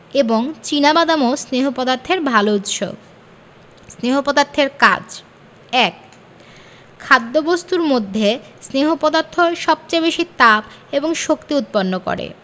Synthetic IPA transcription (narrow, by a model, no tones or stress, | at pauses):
eboŋt͡ɕinabad̪amosneɦopɔd̪aɾt̪ʰeɾbʱalout̪ʃo̰ | sneɦopɔd̪aɾt̪ʰeɾka̰d͡ʑ | ɛk̚ | kʰːad̪ːobost̪uɾmod̪ʱːe | sneɦopɔd̪aɾt̪ʰːoeʃɔb̚t͡ɕajbeʃit̪apeboŋʃokt̪iut̪̚ponːoko̰ɾḛ